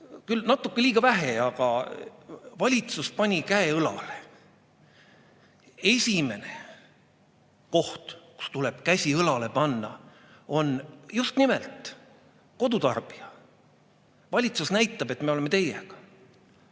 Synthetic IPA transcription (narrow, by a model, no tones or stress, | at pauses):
kylnɑt̪ːˑukːe̞liːɡ̥ɑvæɦe̞ɑɡ̥ɑ | vɑlʲit̪suspɑnʲikæeɤlɑ̰le | e̞sʲime̞ne̞ | ko̞ht̪ku̥st̪ule̞b̥kæsʲiɤlɑle̞pɑnːɑ | o̞njust̪nimelt̪ˑ | ko̞d̪ut̪ɑrb̥iɑ | vɑlʲit̪susnæjt̪ːˑɑbe̞t̪ːmeole̞met̪e̞jḛɡ̥ɑ̥